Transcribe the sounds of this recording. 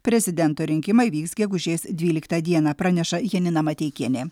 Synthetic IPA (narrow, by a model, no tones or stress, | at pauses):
pʲɾʲɛzʲɪd̪ʲɛnt̪oːɾʲɪŋʲkʲɪmɐɪʋʲiːksɡʲɛɡʊʒʲeːsd̪ʲʋʲiːlʲɪkt̪ɐd̪ʲiɛnɑːpɾɑːnʲɛʃɐjɛnʲɪnɐmɐt̪ʲɛɪkʲiɛnʲeː